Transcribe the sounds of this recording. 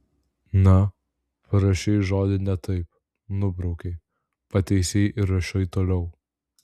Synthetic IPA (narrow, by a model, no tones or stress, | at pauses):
nɐ | pɐɾɐʃʲejʒoːd̪ʲɪnʲɛt̪ɐɪp | nʊbɾɐʊkʲɛ | pɐt̪ʲɛɪsʲeːʔɪɾɐʃɐɪt̪oːlʲɛʊ